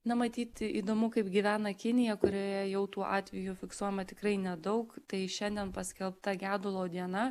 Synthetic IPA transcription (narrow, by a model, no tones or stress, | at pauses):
nɐmɐt̪ʲiːt̪ʲḭːd̪oːmʊkɐɪpɡʲiʋʲæːnɐkʲɪnʲɪjɛkʊɾʲoːjɛjɛʊt̪uːʔɑ̰ːt̪ʲʋʲɪjufʲɪksuɔjɛmɐt̪ʲɪkrɐɪnʲɛd̪ɐʊkt̪ɐɪʃʲɛnʲd̪ʲiɛnpɐsʲkʲɛlˠpt̪ɐɡʲæːd̪ʊlˠoːd̪ʲiɛnɐ